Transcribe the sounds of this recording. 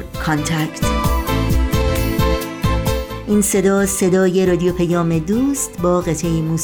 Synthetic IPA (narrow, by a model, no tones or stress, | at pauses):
kʰɒnt̪ʰækt̪ | ʔiːnse̞d̪ɒːse̞d̪ɒːje̞ɾɒːd̪ijopʰæjɒːme̞d̪uːst̪bɒːɣet̪ʰejimuːs